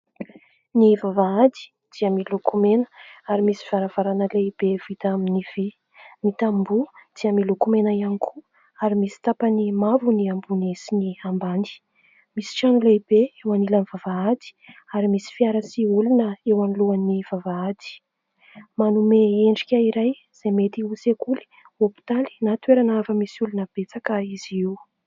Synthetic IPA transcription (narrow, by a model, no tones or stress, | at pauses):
nivavaad̪i̥ | d̪̥iəmilukʰumenə̥aɾimisi̥v̥aɾav̥aɾanəleib̥ev̥it̪aminiv̥i | nit̪ambud̪̥iəmilukumenaianikʰu | aɾimisi̥t̪apanimavuniambunesiniambani̥ | misi̥ʈ͡ʂanuleibeewanilanivavaat̪i̥aɾimisi̥fiaɾasiulunəewaniluaniv̥avaad̪i̥ | manumeeɳɖ͡ʐikʲəiɾaj | z̥emet̪iusekuli̥ | opi̥t̪ali̥nat̪weɾanavəmisiulunəb̥et͡sakəiz̥iiw